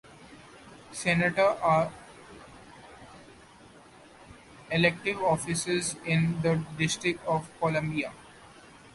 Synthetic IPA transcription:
sɛnəʈəɾʔaːɾ | elek̚ʈɪʋɔːfɪsɪzɪ̃nd̪əɖɪsʈɾɪk̚ʈɔːʋkolə̃mbia

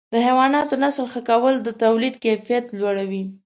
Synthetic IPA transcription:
d̪əhewɑnɑt̪onasəlxəkawəld̪ət̪awlid̪kajfijat̪lwaɽawi

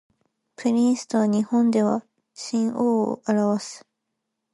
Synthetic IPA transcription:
pɯɾʲisɨ̥t̪oβaɲ̟ihõ̞nd̪e̞βa̰ | ɕĩɰoːo̰ʔaɾaβasɨ̥

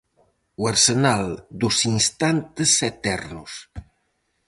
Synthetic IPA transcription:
wəɾsənalˠd̪usinst̪ant̪əset̪ɛrnus

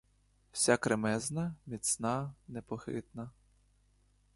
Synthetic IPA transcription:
w̥sʲakɾemɛznɐmʲit̪snɑnepɔxɪ̰t̪nɐ

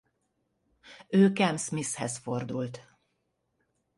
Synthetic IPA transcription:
øːkɛmsmishɛsfo̞rd̪ult̪

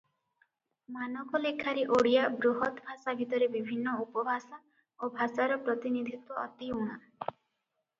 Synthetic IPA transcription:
manɔkɔlekʰaɾeʔoɽijabɾuɦɔt̪bʱasabʱit̪ɔɾebibʱinːɔupɔbʱasa | obʱasaɾɔpɾɔt̪inid̪ʱit̪wɔɔt̪iuɽ̃a

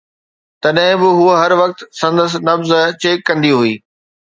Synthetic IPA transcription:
t̪ɐɗɦɪ̃bɪɦuɦɐɾʋɐk̚t̪sɐ̃nd̪əs̬nɐfzt͡ɕeːkːɐ̃nd̪iɦuiː

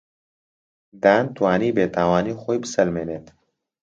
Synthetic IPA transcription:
d̪aːnt̪waːniːbeːt̪ʰaːwaːniːxoːjbɨsɐlmeːneːt̪

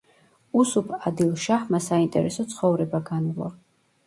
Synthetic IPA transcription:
usupʰad̪ilˠʃaχmasaint̪ʼɛ̰ɾɛsɔt̪sʰχɔvɾɛbaɡanlˠɔ̰ɾ

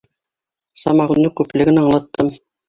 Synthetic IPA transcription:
sɑmɑʁunːɤkʉplɘ̆ɡɘnɑɴlˠɑt̪ːɤm

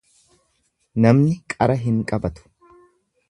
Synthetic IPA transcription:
nɐmnɪkʼɐɾɐɦɪŋkʼɐbɐt̪ʊ̥

